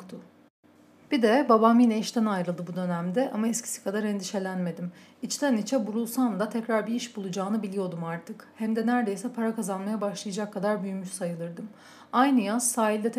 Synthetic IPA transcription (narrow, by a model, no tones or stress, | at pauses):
t̪ʰʊ | b̥id̪ɛbabaminɛʃt̪ʰænajɾɯlˠd̪ɯbud̪ø̞næmd̪ɛʔa̰maɛscʰi̥si̥kʰad̪aɾɛnd̪iʃe̞lʲænme̞d̪imit͡ʃt̪ʰænit͡ʃʰɛbuɾulˠsand̪at̪ʰɛcɾaɾbiiʃbulˠud͡ʒaːnɯbilʲijo̞d̪umaɾt̪ʰɯkhæmd̪ɛnæɾd̪e̞jsɛpʰaɾakazanmajabaʃlˠajd͡ʒakʰːad̪aɾbyjymyʃsajɯlˠɯɾd̪ɯm | ajnɯjazsaːilʲd̪ɛt̪